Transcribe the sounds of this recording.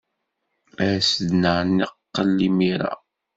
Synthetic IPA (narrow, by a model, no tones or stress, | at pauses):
æsəd̪nəʕnːiqːəlːimiɾæ̰